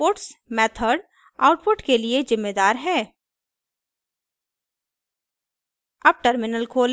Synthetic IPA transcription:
oːʈsmɛːt̪ʰəɖ | aːʊʈpʊʈkeliezɪmːed̪aːɾɦɛː | ɐb̚ʈəɾmɪnəlkʰoːl

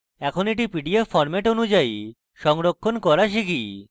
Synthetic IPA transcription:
ɛkʰoneʈ̬ipiɖiefɔɾmeʈonud͡ʑai | ʃɔŋɾokʰːonkɔɾaʃiki

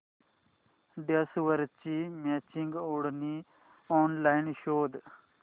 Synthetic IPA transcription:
ɖesʋəɾt͡ʃimet͡ʃiŋɡoːɽni | ɔːnlajnʃoːd̪

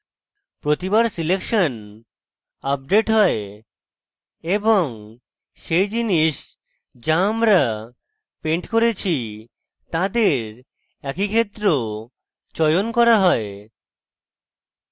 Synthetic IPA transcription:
pɾot̪ibaɾsilekʃon | ap̚ɖeʈɦɔe | eboŋ | ʃejd͡ʑiniʃ | d͡ʑaamɾa | peɳʈkoɾet͡ɕʰi | t̪ãd̪eɾ | ɛkikʰet̪ːɾo | t͡ɕɔjonkɔɾaɦɔe

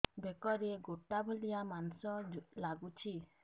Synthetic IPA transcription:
bekɔɾeɡoʈabʱɔlijamansɔlaɡut͡ʃʰi

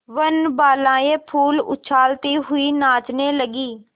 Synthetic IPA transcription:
ʋənbaːlãːeːpʰuːlʊ̰t͡ʃʰaːlt̪iːɦʊiːnaːt͡ʃneːləɡiː

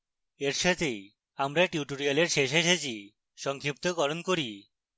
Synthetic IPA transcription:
eɾʃat̪ʰe | amɾaʈiuʈoɾialeɾʃeʃ̬eʃet͡ɕʰi | ʃɔŋkʰɾip̚t̪oɡɔɾonkoɾi

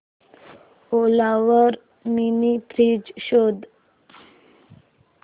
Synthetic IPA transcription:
olaʋəɾ | minipɾid͡ʑɕod̪

